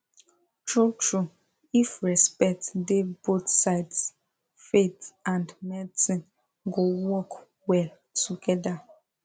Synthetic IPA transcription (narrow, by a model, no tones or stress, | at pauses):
t͡ʃut͡ʃu | ifɹɛspɛk̚tdebotsaɪds | fetãndmɛtĩ | ɡowɔk | wɛ | tuɡɛda